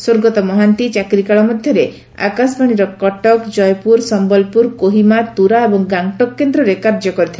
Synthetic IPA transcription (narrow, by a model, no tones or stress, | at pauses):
swoɾɡɔt̪ɔmɔɦant̪it͡ʃakɾikaɭɔmɔd̪ʱjɔɾe | a̰kas̬baɽ̃iɾɔkɔʈɔkd͡ʒɔjpuɾsɔmbɔlpuɾkoɦimat̪uɾaebɔŋɡaŋʈɔkːend̪ɾɔɾekaɾd͡ʒɔkɔɾit̪ʰil